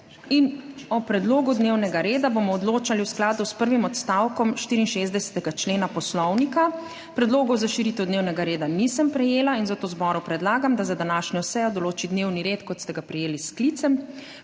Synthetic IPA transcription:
inɔpɾɛd̪loːɡud̪newnɛɡaɾeːd̪abomɔɔd̪loːt͡ʃaliwsklaːd̪uspəɾʋimɔt̪st̪awkɔmʃt̪iɾinʃezd̪ɛsɛ̥t̪ɛɡat͡ʃleːnapɔslɔwnika | pɾɛd̪loːɡɔwzaʃiɾit̪ɛwd̪neːwnɛɡaɾeːd̪anisəmpɾɛjeːlainzat̪oːzbɔːɾupɾɛd̪laːɡamd̪azad̪anaːʃɲɔsɛjɔd̪ɔloːt͡ʃid̪neːwniɾeːt̪kɔt̪st̪ɛɡapɾɛjeːlisklit̪sɛm

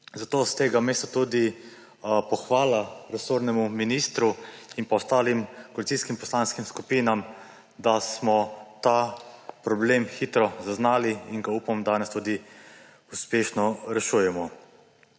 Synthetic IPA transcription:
zat̪oːst̪eːɡameːst̪at̪uːd̪i | pɔxʋaːlaɾɛsoɾnɛmuminist̪ɾuinpɔɔst̪aːlimkoalit̪siskimpɔslanskimskupiːnam | d̪asmɔt̪apɾɔbleːmxit̪ɾɔzaznaːliiŋɡaupamd̪aːnɛst̪uːd̪i | uspeːʃnɔɾɛʃuːjɛmɔ

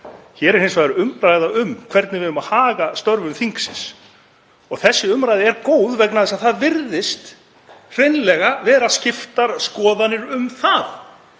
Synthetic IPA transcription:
çɛːɾɛɾ̥hejnsvajðɾɪʏmɾaːjðaʏmkʰv̥ɛɾt̪nɪvɪðʏmaðhaːɣast̪œɾvʏmθiŋksɪns | ɔɣθɛsːɪʏmɾajðɪɛɾkoːwðvɛknaðɛsaðθaðvɪɾðɪst̪ | r̥ejnlɛɣavɛːɾascɪft̪aɾ̥skɔːðanɪɾʏmθað

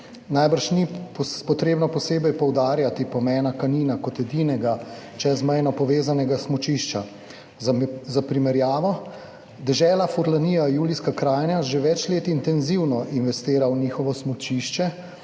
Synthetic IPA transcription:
najbəɾʃnippɔt̪ɾeːbnɔpɔseːbɛjpɔwd̪aːɾjat̪ipɔmɛːnakaniːnakɔt̪ɛd̪iːnɛɡa | t͡ʃɛzmɛjnɔpɔʋeːzanɛɡasmɔt͡ʃiʃt͡ʃa | zapɾimɛɾjaːʋɔ | d̪ɛʒɛːlafuɾlaniːjajuːliskakɾaːjnjaʒeʋɛt͡ʃleːt̪int̪ɛnziwnɔʔinʋɛst̪eːɾawniːxɔʋɔsmɔt͡ʃiʃt͡ʃɛ

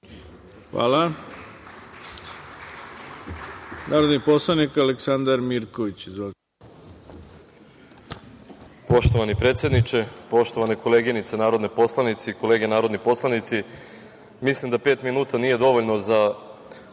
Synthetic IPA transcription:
xʋa̰ːla | naːɾod̪niposlˠanikaleksand̪aɾmiɾkoʋit͡ɕizo | po̞ʃt̪o̞ʋanipɾe̞ːt̪sje̞d̪nit͡ʃe̞po̞ʃt̪o̞ʋaneko̞leɡinit̪senaːɾod̪nepo̞slˠanit̪siiko̞leːɡenaːɾo̞d̪nipo̞slˠanit̪si | mislimd̪ape̞ːt̪minuːt̪anije̞d̪o̞ʋoʎnoza

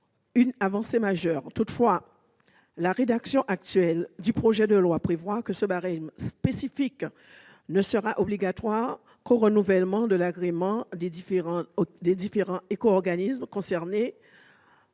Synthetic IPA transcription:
ynavɑ̃semaʒœʁt̪ut̪fwa | laʁed̪aksjɔ̃ʔak̚t̪ɥɛld̪ypχoʒɛd̪əlwapχevwakəsəbaʁɛmspesifik | nəsəʁaʔobliɡat̪waʁ | koʁənuvɛlmɑ̃d̪əlaɡʁemɑ̃d̪eifʁɑ̃d̪ed̪ifeʁɑ̃ekoɔʁɡanismkɔ̃sɛʁne

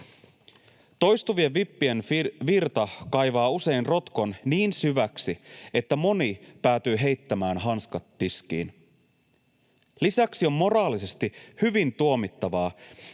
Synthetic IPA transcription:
t̪o̞jst̪uʋieʋʋipːie̞nʋirt̪ɑkɑjʋɑːuse̞jnro̞t̪ko̞nniːnsyʋæksie̞t̪ːæmo̞nipæːt̪yːɦe̞jt̪ːæmæːnɦɑnskɑt̪ːiskḭːn | lisæksio̞mːo̞rɑːlise̞st̪ihyʋint̪uo̞mit̪ːɑʋɑː

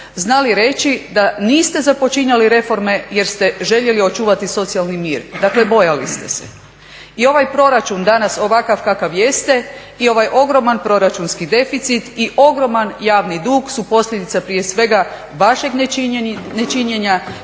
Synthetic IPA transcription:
znaliɾe̞t͡ʃid̪aniːst̪e̞zapo̞t͡ʃiɲaliɾe̞fo̞ɾme̞je̞ɾst̪e̞ʒe̞ʎe̞lio̞t͡ʃuːʋat̪iso̞t̪sijalˠnimiːɾd̪akle̞bo̞jalist̪e̞̰sḛ | io̞ʋajpɾo̞ɾat͡ʃund̪anaso̞ʋakaʋkakaʋje̞st̪e̞ | io̞ʋajʔo̞ɡɾo̞manpɾo̞ɾat͡ʃunskid̪e̞fit̪sit̪iʔo̞ɡɾo̞manjaːʋnid̪uːɡsupo̞sʎʲed̪it̪sapɾije̞sʋe̞ɡa | ʋaʃe̞ɡnenet͡ʃiɲe̞ɲa

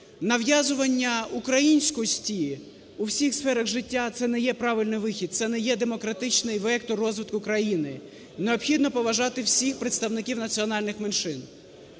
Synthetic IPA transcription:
nɐʋjazʊʋɐnʲːɐukɾɐjinʲsʲkɔjɔsʲtʲi | uwsʲixsfɛɾɐɣʒɪtʲːat̪sɛnɛjɛpɾɑʋɪlʲnɪjʋɪxʲid̪̚t̪sɛnɛjɛd̪emɔkɾɐt̪ɪt͡ʃnɪjʋɛkt̪ɔrɔzʋɪt̪kʊkɾɐjinɪ | neɔpxʲid̪nɔpɔʋɐʒɑt̪ɪwsʲixpɾet̪st̪ɐwnɪkʲiwnɐt͡sʲiɔnɑlʲnɪxmenʃɪn

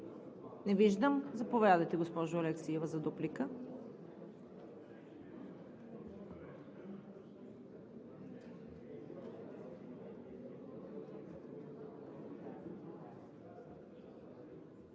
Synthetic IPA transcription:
nɛviʒd̪əmzɐpovʲjad̪əjt̪ɛɡospɔʒʊɐlɛksiɛvɐzɐd̪uplikə

